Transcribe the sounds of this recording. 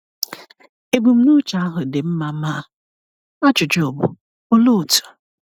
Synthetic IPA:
e˨ɡ͡bu˨m̩˦nu˦t͡ʃa˦a˦ɦʊ˨de˨m̩˦ma˨˦ma˦˨ | a˦t͡ʃʊ˨d͡ʒɪ˨˦o˨bʊ̰˨ | ʊ˦lo˦˨tu̥˨

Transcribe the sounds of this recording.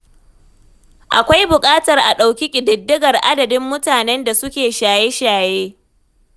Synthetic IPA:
ʔa˨kʷa˦jbʊ˨kʼaː˦tɐ˨rʔa˨ɗa˨wkʲi˦kʲʼɪ˨dɪ˨dːɪ˦ɡɐ˨rʔa˦dɐ˨dɪ˦mːʊ˦taː˨nɛ˦nda˨sʊ˦kʲeː˨ʃaː˨je˦ʃaː˨jeː˦

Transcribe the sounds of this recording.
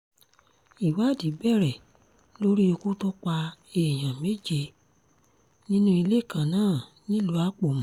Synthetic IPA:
i˨wa˨˦˨di˨˦bɛ˦˨ɾɛ˨ | lo˦ɾi˦o˧ku˦to˦k͡pa˧e˨j̃ã˨me˦d͡ʒe˧ | nĩ˦nũ˦i˧le˦˨kã˨nãː˦˨ | nĩ˦lu˨˦a˦k͡po˦˨mũ˨˦

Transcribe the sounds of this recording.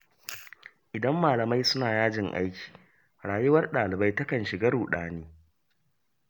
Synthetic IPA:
ʔɪ˨dɐ˦mːaː˨lɐ˨ma˦jsʊ˦naː˨jaː˦d͡ʒɪ˨ŋʔa̰˦jkʲi̥ː˨ | ɽaː˨jʊ˦wɐ˦rɗaː˨lɪ˨ba˦jtɐ˦kɐ˨nʃɪ˨ɡa˦ɾuː˨ɗaː˦niː˦

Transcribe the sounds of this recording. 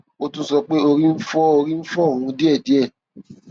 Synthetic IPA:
o˦tũ˦sɔ˧k͡pe˦o˧ɾĩ˦m̩˦fɔ˦o˧ɾĩ˦n̩˦fɔ˦˨ɾũ˧˦di˦ɛ˦˨di˨˦ɛ˦˨

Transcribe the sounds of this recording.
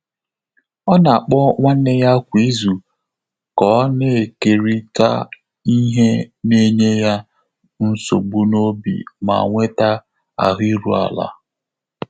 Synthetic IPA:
ɔ˦na˨a˨k͡pɔ˦ŋʷa˦n˦e˦ja˦kʷi˨˦zu˨ | kɔ˦ne˨e˨ke˨ɾi˦ta̰˦ | i˦ɦe˦ne˦ɲe˦ja˦ | n̩˦so̰˨ɡ͡bu˦no˦bḭ˨ma̰˨ŋʷe˦ta˦ | a̰˨ɦi˦ɾu˨a̰˨la̰˨˦

